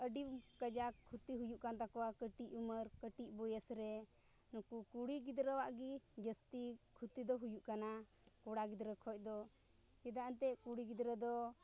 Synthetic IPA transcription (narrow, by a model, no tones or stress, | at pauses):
əɖimkəd͡ʒakʰut̪iɦujuʔkant̪akɔwakəʈiʔuməɾkəʈiʔbɔjəsɾɛ | nɔkukuɽiɡid̪ɾəwaʔɡid͡ʒəst̪ikʰut̪id̪ɔɦujuʔkana | kɔɽaɡid̪ɾəkʰɔc̚ˀd̪ɔ | jɛd̪aʔənt̪ɛkuɽiɡid̪ɾəd̪ɔ